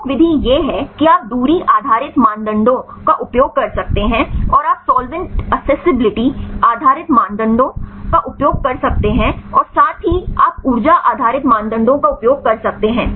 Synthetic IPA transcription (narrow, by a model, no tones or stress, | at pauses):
kʋɪd̪ʱijeːɦɛkiaːp̚d̪uːɾiʔaːd̪ʱaːɾɪt̪mãːnd̪ə̃ɳɖõ | kaʔʊpjoːɡ̚kɐɾsɐk̚t̪eɦɛ̃ɔːɾaːpsɔːlʋɪ̃ɳʈɐksɛːsɪbɪlɪʈiaːd̪ʱaːɾɪt̪mãːnd̪ə̃ɳɖõkaʔʊpjoːɡ̚kɐɾsɐk̚t̪eɦɛ̃ɔːɾsaːt̪ʰɦiaːpʊɾd͡ʒaʔa̰ːd̪ʱaːɾɪt̪mãːnd̪ə̃ɳɖõkaʊpjoːɡ̚kɐɾsɐk̚t̪eɦɛ̃ː